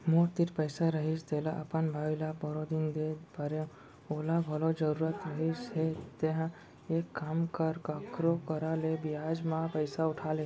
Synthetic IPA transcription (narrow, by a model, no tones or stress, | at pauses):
moɾt̪iʈpəɪsaɾəɦit͡ʃt̪elaʔəpənbʱalabəɾod̪ind̪ebəɾe | oːlabʱəlod͡ʒəɾuɾət̪ɾəɦit͡ʃɦet̪eɦã | ekːamkəɾkakɾokəɾalebijad͡ʒmãpəɪsaʊʈʰalẽ